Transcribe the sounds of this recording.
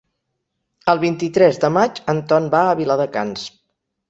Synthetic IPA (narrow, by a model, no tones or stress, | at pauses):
əlˠβint̪it̪ɾɛzd̪əmad͡ʒənt̪ɔnbaəβilaðəka̰ns